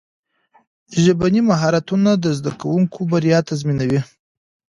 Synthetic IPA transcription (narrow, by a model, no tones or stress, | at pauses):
ʒabanimaɦɑɾat̪unad̪əzd̪akawuŋkʰobaɾjɑt̪azminawi